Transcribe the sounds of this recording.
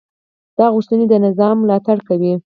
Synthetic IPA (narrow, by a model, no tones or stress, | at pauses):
d̪̥ɑɣust̪əned̪ənɪzɑmːlɑt̪aɽkawi